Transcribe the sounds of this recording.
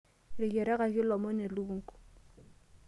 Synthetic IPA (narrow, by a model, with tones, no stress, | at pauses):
ɾɪ˨kɛ˨ɾɛ˦ka˨kɪ˦lɔ˨mɔ˦ne˨lu˦ŋ̩˨ku̥˨